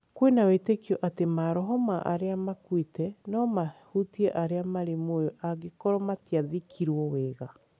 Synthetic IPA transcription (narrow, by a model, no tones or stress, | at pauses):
kwenawetekjɔʔatemaɾɔɦɔmaʔa̰ɾeamakwitɛnɔmahutiɛʔaɾeamaɾemojɔʔaɡekɔɾɔmatiaðikʰiɾwɔweːɣa